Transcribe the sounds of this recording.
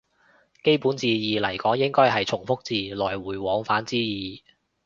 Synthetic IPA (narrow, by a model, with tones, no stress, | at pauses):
ke˥jpuː˨˥nt͡siː˧jiː˨lɐ˨˩jkɔː˨˥ŋjɪ˥ŋkɔː˥jɦɐ˨jt͡sʰʊ˨˩ŋfʊ˥k̚t͡siː˨lɔː˨˩jwuː˨˩jwɔː˨˧ŋfaː˨˥nt͡siː˥jiː˨˩